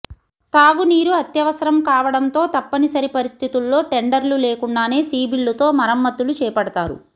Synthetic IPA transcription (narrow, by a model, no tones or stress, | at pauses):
t̪aːʋuniːɾuɐt̪jɐʋɐsɐɾɐmkaːʋɐɽɐnt̪o̞ːt̪ɐpːɐnisɐɾipɐɾist̪ʰit̪ulːo̞ːʈeɳɖɐɾluleːkuɳɖaːne̞ːsiːbilːut̪o̞ːmɐɾɐmːɐt̪ːulut͡ʃɛːpɐɽɐt̪aːɾṵ